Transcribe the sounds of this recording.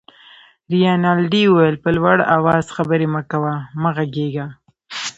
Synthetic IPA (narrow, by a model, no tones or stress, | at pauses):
ɾijɑnɑlɖiuwjəlpəlwaɽa̰wɑz̥xabəɾeməkawamaɣaɡeɡa